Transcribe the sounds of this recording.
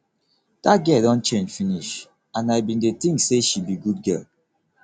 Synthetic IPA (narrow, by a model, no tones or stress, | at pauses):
d̥aɡɛldɔ̃nt͡ʃẽnd͡ʒfiniʃ | ãnaɪbĩndet̪ĩŋkseʃibiɡud̚ɡɛ̰l